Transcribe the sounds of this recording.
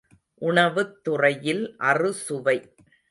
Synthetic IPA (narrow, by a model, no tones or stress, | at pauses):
ʔʊɳɐʋɯt̪ːʊrɐjɪlʔɐrɯsʊʋɐɪ